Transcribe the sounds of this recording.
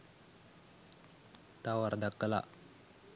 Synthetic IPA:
t̪award̪akːəla̰

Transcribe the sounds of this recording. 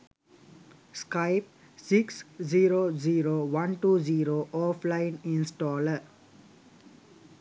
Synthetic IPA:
skaɪp̚ | siksziːɾoːziːɾoːʋãnʈuːziːɾoːʔɔːflaɪ̃nĩnsʈɔːlə

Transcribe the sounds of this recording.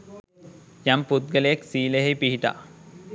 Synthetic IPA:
jamput̪̚ɡəlejeksiːleɦejpiɦiʈa̰

